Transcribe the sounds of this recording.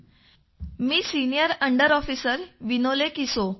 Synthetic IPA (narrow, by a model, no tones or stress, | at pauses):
miːsinijəɾəɳɖəɾɔfiːsəɾʋinolekiso